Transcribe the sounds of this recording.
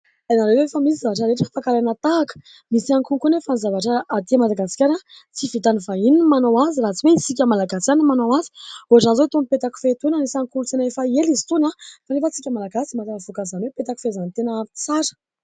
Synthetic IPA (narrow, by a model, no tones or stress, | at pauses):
anaɾewefamisizavaʈ͡ʂəɾeʈ͡ʂəfakaɾajnat̪aːkə̥ | misiaŋkuŋkunefanzavaʈ͡ʂəːd̪iamad̪aɡasi̥kʲaɾat͡sivit̪anivaininmanawaziɾaɦt͡siweisik̬ʲəmalaɡasi̥kʲanimanawazi̥oaʈ͡ʂanzot̪onpet̪aku̥fet̪unənisaŋkulut͡senaefaelizi̥t̪unafanefət͡sikʲəmalaɡasimat̪aɾavukazanwepet̪aki̥fezanit̪enət͡saɾə̥